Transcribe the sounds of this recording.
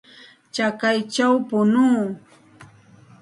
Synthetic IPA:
t͡ʃakajt͡ʃawpʊnuː

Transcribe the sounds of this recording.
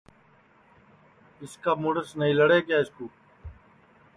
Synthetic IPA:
ɪskaːmuːɽəsnəĩːləɽeːkjaːɪskuː

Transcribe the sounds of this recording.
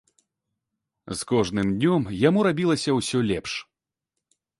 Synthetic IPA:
skɔʐnɨmd̪ʲnʲɔmjamuɾabʲilˠɐsʲɐwsʲɔlʲɛpʂ

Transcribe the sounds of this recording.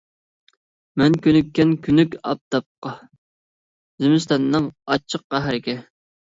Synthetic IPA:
mɛnkʲʰynykʲːɛnkʲʰynykʲɑ̰p̚t̪ɑp̚qɑ | zɪmɪst̪ɑnːɨŋɑt͡ʃʰːəq̚ːæɦɾɪkʲɛ

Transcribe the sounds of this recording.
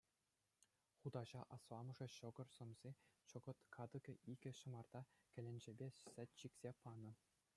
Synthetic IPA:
χud̪ɑʑɑʔɑsʋɑmɤ̆ʐɤ̆ɕɤ̆ɡɤ̆rsɤ̆mzʲet͡ɕɤ̆ɡɤ̆t̪kʰɑd̪ɤ̆ɡʲɤ̆iɡʲɘ̆ɕɤ̆mɑrd̪ɑkʲɘ̆lʲɘ̆nʲd͡ʑɘ̆bʲesʲɘ̆t̪ʲɕikʲsʲepɑnɤ̆

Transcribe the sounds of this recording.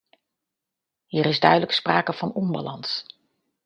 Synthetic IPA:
ɦiːɾɪzdœɥdələkspraːkəv̥ɑnɔmba̰lɑns

